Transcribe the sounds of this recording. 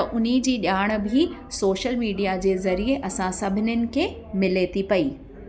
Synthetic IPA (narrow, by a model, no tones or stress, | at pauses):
ɐʔʊnid͡ʑiːɗaːɽ̃̆bʱisoːʃəlmiːɖijad͡ʑeːzɐɾieʔɐsãsɐbʱɪnʊnɪ̆kʰe | mɪleːt̪ipɐiː